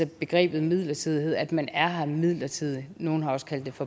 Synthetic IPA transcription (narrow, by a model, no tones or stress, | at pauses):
ɐb̥e̝ɡ̥ʁɛ̰ːb̥ð̩ˠmið̰ˠlɐt͡sʰið̞̰ˠiɦe̝ð̰ˠæd̥mænæɐhɑmið̰ˠlɐt͡sʰið̰ˠino̝ːn̩ɦɑ̈ɒ̽sə̥kʰæl̰d̥ːe̝fɒ̽